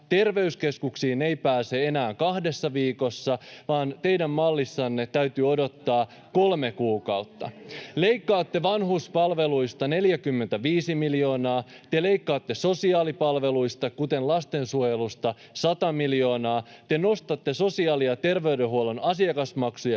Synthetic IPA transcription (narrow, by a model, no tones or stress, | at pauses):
t̪e̞rʋe̞yske̞skuksiːne̞jpæːse̞e̞næːŋkɑhdesːɑʋiːko̞sːɑʋɑːnt̪e̞jdæmːɑlːisːɑnːet̪æyt̪yo̞do̞t̪ːɑː | ko̞lme̞kuːkɑuwt̪ːɑ̰le̞jkːɑːt̪ːe̞ʋɑnɦuspɑlʋe̞luist̪ɑne̞ljækymːent̪æʋiːsimiljo̞ːnɑː | t̪ele̞ikːɑːt̪ːe̞so̞siɑːlipɑlʋe̞luijst̪ɑkut̪e̞nlɑst̪e̞nsuojelust̪ɑ | sɑt̪ɑmiljo̞ːnɑːt̪e̞no̞st̪ɑt̪ːe̞so̞siɑːliɑt̪e̞rʋe̞ydeɦuo̞lonɑsiɑkɑsmɑksujɑ